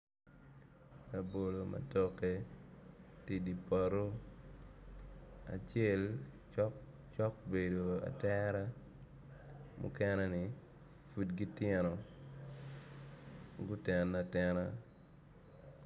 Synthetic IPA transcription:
a˨bo˨lo˨mʔa̰tɔ˦ke˦ | ti˦di˨pa˨ɾo˦ | a̰˨t͡ʃɪɛ˦˨lt͡ʃɔk | t͡ʃɔ˦k̚be˨do˨a̰˨tɛɾa˦ | mʔʊ̰˦kɛ˦nɛ˦nɪ˨ | fu˦dɡi˦tjɛ˦nɔ˨ | ɡʊ˦tɛ˨nːatɛna

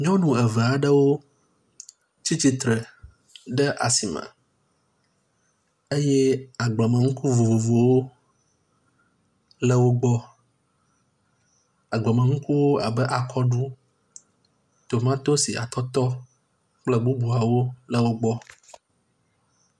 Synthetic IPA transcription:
ɲɔ̃˦nũ˨ɛ˨vɛ˨a˨ɖə˦wo˦ | t͡ɕi˦t͡ɕi˦t̪ɾɛ˨ | ɖɛ˦ʔa̰˨si˨mə̰̃˨ | e˦jɛ˦a˨ɡ͡blɔ˨mə̃˨ŋũ˦ku˦vo˨vo˨vo˨wo˦ | lə˦wo˦ɡ͡bɔ˦ | a˨ɡ͡bɔ˨mə̃˨ŋũ˦ku˦wo˦a˨bə˦ʔa˨kʰɔ˦ɖu˦ | t̪o˨mã˦t̪o˦si˨ʔa˨t̪ɔ˦t̪ɔ˦ | k͡plɛ˦ɡ͡bu˦bu˨a˨wo˦lə˦wo˦ɡ͡bɔ˦

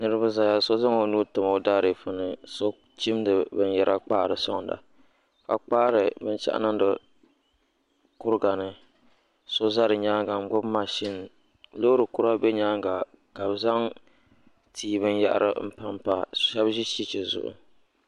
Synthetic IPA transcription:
nɨ˦ɾɨ˦ba˦za˨ja˦so˦za˦ŋo˨nuː˦tʊ˨ma˨da˦ɾi˨fɨ˦nɨ˨so˦ | t͡ʃi˦m˦dɨ˨bɨ˦n˦jɛ˦ɾʔa˦k͡paː˦˨ɾɨ˨sɔ̰˦ŋ˨da̰˨ | ka˨k͡paː˦ɾɨ˨bɨ˦t͡ʃa̰˦ʔa̰˦na˦n˦dɨ˨ | kʊ˦ɾɡa˨nɨ˨ | so˦za˦ɾɨ˨ɲaː˦ŋɡa˨ŋ͡m̩˦ɡ͡bʊ˦bma˦ʃɪ˦n | lo˦ɾɨ˨kʊ˦ɾa˦bɛ˦ɲaː˦ŋɡa˨ | ka˨bza˦ŋ | tʰiː˨bɨ˦nja̰˦ʔa̰˨ɾʔɨ̰˦m̩˦pa˦mpa˦ʃɛ˦bʒi˦ʃi˦t͡ʃɪ˨zʊ̰˨ʔʊ̰˨

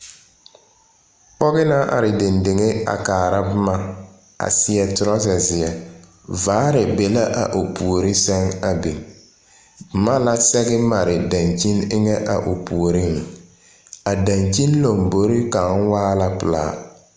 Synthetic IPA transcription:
k͡pɔ˦ɣɪ˦na˦ʔa̰˨ɾɪ˨de˨nde˨ŋe˦a̰˨kaː˨ɾa˦bʊ˦ma˦ | a̰˨sɪ˨ɛ˨tʊ˨ɾɔ˦zɛ˨zɪ˨ɛ˨ | vaː˨˦ɾɪ˨be˨la˦ʔa̰˨ʔo˨pʰu˨o˨ɾɪ˦sɛ˦ŋa˨be˨ | bʊ˨ma˦la˦sɛ˦ɡɛ˦ma˨ɾɪ˨da˨ɲt͡ʃi˦nɪ˦ŋɛ˦ʔa̰˨ʔo˨pu˨o˨ɾɪ˦ŋ˨ | a˨da˨nt͡ʃi˦nlo˨mbo˨ɾɪ˦ka˨ŋ˦waː˦la˦pɨ˨la̰ː˨˦

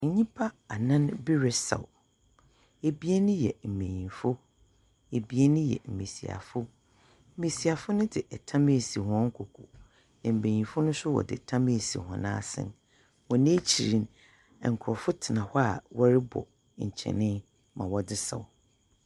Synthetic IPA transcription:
ɲ̩˨ɲĩ˦pʰa˦a˨nã˦nbi˦ɾɛ˦sa̰˨w | e˨bi˦e˦nʊ̃˦jɛ̰˨m̩˨mẽ˨ɲĩ˨fʊ˦ | e˨bi˦e˦nʊ̃˦jɛ̰˨m̩˨me˨si˨a̰˨fʊ˦ | m̩˦me˨si˨a˨fʊ˦nʊ̃˦dɪ˨ʔɛ˨tʰã˦me˦˨si˨hɔ̃˦ŋ̩˦kʰo˨kʰo˨ | nã˨m̩˨mẽ˨ɲĩ˨fʊ˦nʊ̃˦sʊ˦wɔ̰˨dɪ̰˨tʰã˦me˦˨sḭ˨hɔ̰̃˨nã̰ː˦sɪ̰̃˦n | wɔ̃˨nẽ˦t͡ɕʰi˨ɾĩ˨n | ɛ˨ŋ̩˨kʰʊ˨ɾɔ˨fʊ˦tʰɪ˨nã˨hɔ˦a̰˨wɔ˦ɾɪ˦bɔ̰˨ | ɲ̩˨t͡ɕʰɛ̰̃˨nɪ̃˦ | mã˨wɔ˨˦dɪ˦sa̰˨w

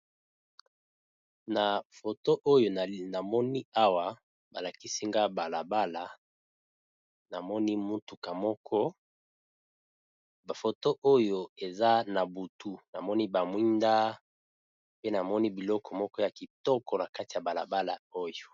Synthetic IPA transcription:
na˨fo˨to˦ʔo˦jo˨na˨mɔ˦ni˦a˦wa˨ | ba˨la˨ki˦si˦ŋɡa˦ba˨la˨ba˦la˨ | na˨mɔ˦ni˦mu˦tu˨ka˨mɔ˦kʰɔ˦˨ | fo˨to˦ʔo˦jo˨e˨za˦na˨bu˨tu˦na˨mɔ˦ni˦ba˨mwi˦nda˦ | pe˦na˨mɔ˦ni˦bi˨lɔ˦kʰɔ˨mɔ˦kɔ˦ja˨ki˨tɔ˦kɔ˨na˨ka˦ti˨a˨ba˨la˨ba˦la˨o˦jo˨

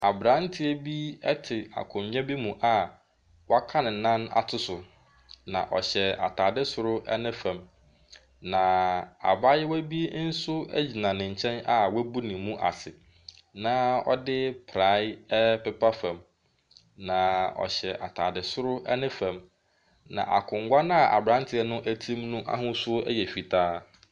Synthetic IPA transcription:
a˨bɾã˨˦n˦tʰɪ˦ɛ˦bi˦ɛ˦tʰɪ˨a̰˨kʰʊ̃˨m˨ɲ˦ɛ̃˦bi˦mũ˨ʔa˨ | wa˦kʰã˦nɪ̃˨nã˦na̰˨tʰʊ˦sʊ˨ | nã˨ʔɔ̰˨ɕɛ˨a̰˨tʰaː˨dɪ˦sʊ˨ɾʊ˦ʔɛ̰˦nɪ̃˦fã˨m | nã˨a̰˨ba˦jɛ˦wæ˦bi˦n̩˦sʊ˦æ̰˦d͡ʑi˨nã˨nɪ̃˨ɲ̩˨t͡ɕʰɛ̃˦na˨wæ˦bu˦nɪ̃˨mːũ˦ʔa̰˨sɪ˨ | nã˦ɔ̰˦dɪ˦pʰɾa˦pɛ˦pʰa˦fã˨m | nã˨ɔ̰˨ɕɛ˨ʔa̰˨tʰaː˨dɪ˨sʊ˦ɾʊ˦ʔɛ˦nɪ̃˦fæ̃˨m | nã̰˨ʔa̰˨kʰʊ̃˨ŋ̩˨˦ɡʷa˦n˦a˨ʔa˨bɾã˦ntʰɪ˨˦ɛ˦nʊ̃˦ʔæ˦tʰĩ˦mnũ˦ʔa̰˦ɦʊ̃˦sʊ˦æ̰˦jɛ˨fi˨tʰaː˦

